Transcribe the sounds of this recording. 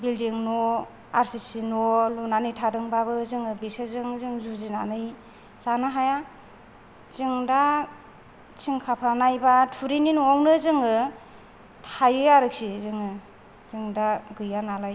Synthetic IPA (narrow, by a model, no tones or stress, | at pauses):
bildiŋnɔ | aɾsisinɔlunanɯjtʰadɯŋbabɯzɯŋɯbisɯzɯŋzɯŋzuzina̰nɯj | zanɯɦaja | z̥ɯŋda | t͡ʃiŋkʰapʰɾanajbatʰuɾininɔŋnɯzɯŋɯ | tʰajɯjaɾɯk̚sizɯŋɯ | zɯŋdaɡɯjanalaj